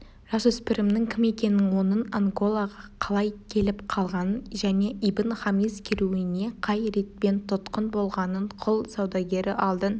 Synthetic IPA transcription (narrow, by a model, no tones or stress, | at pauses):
ʒ̥ɑsɵspɪɾɪmnɪŋkʲʰɪme̞kʲe̞nːɪŋwo̞nənaŋɡo̞lˠaʁɑqʰɑlˠɑjkʲʰe̞lɪpqʰɑlˠʁɑnənʒæne̞ʔibɪnχamizkʲʰɪɾuɪne̞qʰɑjɾe̞t̪̚pe̞nt̪ʰʊt̪qənbo̞lˠʁɑnəɴqʰʊlˠsɑwd̪ɑɡʲe̞ɾɪʔɑlˠd̪ə